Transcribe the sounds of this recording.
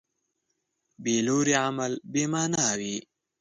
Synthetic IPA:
beːloɾiamalbemaːnawi

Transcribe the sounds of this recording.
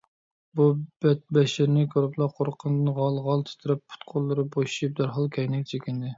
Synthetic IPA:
bubɛt̪̚bɛʃɪɾnɪkʲʰoɾɨplˠɑqʰoɾqʰənd̪ɨnʁɑlˠʁɑlˠt̪ʰɪ̥t̪ʰɪɾɛppʰːʊ̥t̪qʰʊlˠːɨɾɨboʃʃip̚d̪æɾɦɑlˠkʲʰɛjnɪkʲt͡ʃʰekʲɪnd̪ɪ

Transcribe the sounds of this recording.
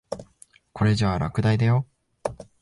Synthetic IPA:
ko̞ɾe̞d͡ʑaːɾʔa̰kɯ̟d̪aid̪ajo̞

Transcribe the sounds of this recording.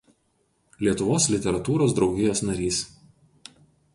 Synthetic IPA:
lʲiɛt̪ʊʋoːslʲɪt̪ʲɛɾɐt̪uːɾoːsd̪ɾɒʊɡʲɪjoːsnɐɾʲiːs

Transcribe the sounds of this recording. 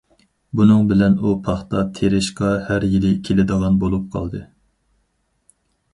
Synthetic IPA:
bunɨŋbɪlɛnupʰɑχt̪ɑt̪ʰeɾɪʃqɑhæɾjilɪkʲʰelɪd̪əʁɑnbolˠup̚qʰɑ̰lˠd̪ɨ

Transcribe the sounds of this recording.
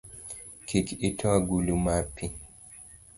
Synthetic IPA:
kʰikitʰɔaɡulumapi

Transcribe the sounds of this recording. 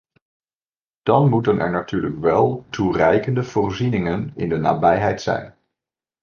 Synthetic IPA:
d̥ɑnmutənʔɛ̰ɹnatyːɹləkʋɛlˠturɛjkəndəv̥ʊːrzinɪŋənɪ̰ndəna̰ːbɛjɦɛjtsɛ̰jn

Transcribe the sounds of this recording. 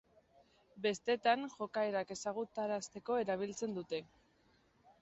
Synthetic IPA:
be̞st̪e̞t̪aŋʝo̞kaeɾake̞saɣ̞ut̪aɾast̪e̞ko̞e̞ɾaβ̞ilt͡se̞nd̪ut̪e̞

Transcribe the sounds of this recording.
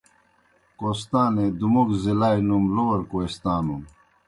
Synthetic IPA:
kost̪aːned̪umokzilaːjnumlowɐɾkoest̪aːnum

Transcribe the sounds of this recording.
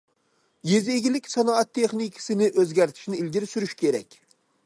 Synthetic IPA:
jezeɡʲilɪkʲsɑnɑɑt̪ʰːeχnikʰɪ̥sɪnɪʔøzɡʲæɾt̪ʰɪ̥ʃnɪilɡʲiɾɪsyɾyʃkʲʰeɾɛkʲ

